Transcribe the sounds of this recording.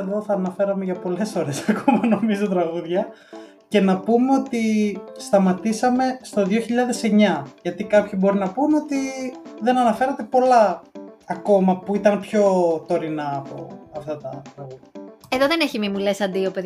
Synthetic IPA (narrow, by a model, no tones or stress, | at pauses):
eðo̞θɐːnɐfe̞ɾɐmeʝɐpo̞le̞sfo̞ɾe̞sɐkomɐno̞mizot̪ɾɐɣuðʝɐ | ce̞nɐpumeo̞t̪ist̪ɐmɐt̪isɐme̞st̪o̞ðioçiʎɐðe̞se̞ɲɐʝɐt̪ikɐpçibo̞ɾinɐpuno̞t̪iðe̞nɐnɐfe̞ɾɐt̪e̞po̞lɐː | ko̞mɐpuit̪ɐnpço̞t̪o̞ɾinɐːpo̞̰ɐft̪ɐt̪ɐkoeðoðeneçimimulesɐnd̪iopeð